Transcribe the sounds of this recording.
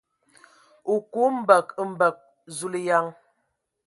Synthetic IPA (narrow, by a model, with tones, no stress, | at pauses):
u˨ku˦m̩˦bə˨km̩˦bə˨k̚ | zu˦li˦ja˦ŋ